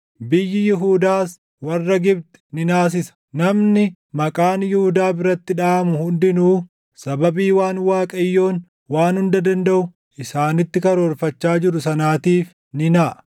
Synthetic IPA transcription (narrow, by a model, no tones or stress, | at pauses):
bɪjːɪjɪɦuːd̪aːs | wɐrːɐɡɪbt̪ɛ̥nɪnaːs̬ɪsɐ̥ | nɐmnɪ | mɐkʼaːnjɪhuːd̪aːbɪɾɐt̪ːɪᶑaːmʊhʊnd̪ɪnuː | sɐbɐbiːwaːnwaːkʼɐjːo̞ːn | waːnhʊnd̪ɐd̪ɐnd̪ɐʔʊ | ʔɪsaːnɪt̪ːɪkɐɾoːɾfɐt͡ʃːaːd͡ʒɪɾʊsɐnaːt̪iːf | nɪnaːʔ